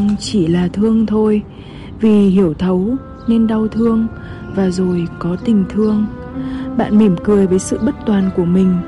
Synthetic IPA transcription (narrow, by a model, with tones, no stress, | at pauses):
ŋ͡mt͡ɕi˧˩laː˨˩t̪ʰɨ˧əŋt̪ʰo˧j | vi˨˩hi˧˩əwt̪ʰə˨˦w | ne˧nɗa˧wt̪ʰɨ˧əŋ | vaː˨˩zo˨˩jkɔ˨˦t̪ï˨˩ŋ̟t̪ʰɨ˧əŋ | ɓa̰ː˧˨nmi˧˩mkɨ˨˩əjvəː˨˦jsɨ̰˧˨ɓə˦˥t̚t̪waː˨˩nku˧˩əmï˨˩ŋ̟